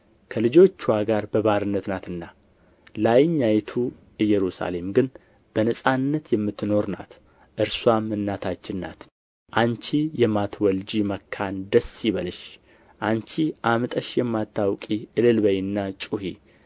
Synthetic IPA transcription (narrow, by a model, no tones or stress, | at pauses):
kʰəlɨd͡ʒo̞t͡ʃːwaɡaɾbəβaɾɨnːət̪nat̪ɨnːa | lajɲːajt̪ʰu | ɨjːɛɾusa̰le̞mɡɨn | b̥ənəsʼanːət̪jɛmːɨt̪ːɨno̞ɾna̰t̪ | ʔɨɾswamːɨnːat̪ʰat͡ʃːɪnːa̰t̪ | ʔant͡ʃijɛmat̪ʰwɔld͡ʒiməkʰːand̪əsiβəlɨʃ | ʔant͡ʃiʔamɨt̪ʼəʃjɛmːat̪ʰːawkʼiʔɨlɨlbəjnːat͡ʃʼuhḭ